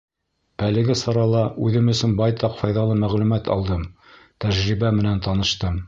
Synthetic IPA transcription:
ælɘ̆ɡɘsɑɾɑlˠɑʉðɘmɵ̆sɵnbɑjt̪ɑqfɑjðɑlˠɤmæʁlʉmæt̪ɑ̰lˠd̪ɤm | t̪æʒɾibæmɘ̆nænt̪ɑnɤ̆ʃt̪ɤm

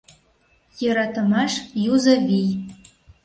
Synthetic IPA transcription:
jɤ̆ɾɑt̪ə̆mɑʃjuzɤvij

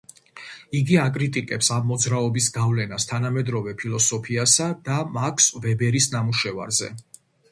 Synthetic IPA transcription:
iɡiakʼɾit̪ʼikʼɛpsamːɔd̪zɾaɔbisɡavlɛnast̪ʰanamɛd̪ɾɔvɛpʰilˠɔsɔpʰiasad̪̥amakʰsvɛbɛɾisnamuʃɛva̰ɾzɛ̰

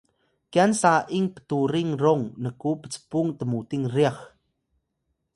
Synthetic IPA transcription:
kjansaʔiŋpə̥t̪uɾiŋrɔŋnəkupə̥t͡sə̥puŋt̪əmut̪iŋriax

